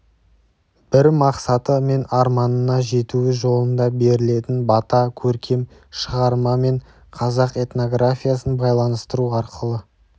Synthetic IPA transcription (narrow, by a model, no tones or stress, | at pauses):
b̥ɪɾmɑqsɑt̪əme̞nɑɾmɑnənɑʒe̞t̪uɪʒo̞lˠənd̪ɑbe̞ɾɪle̞t̪ɪnbɑt̪ɑkʲʰɵɾkʲʰe̞m | ʃəʁɑɾmɑme̞ɴ | qʰɑzɑqe̞t̪no̞ɡrafʲijasənbɑjlˠɑnəst̪əɾuɑɾqʰəlˠə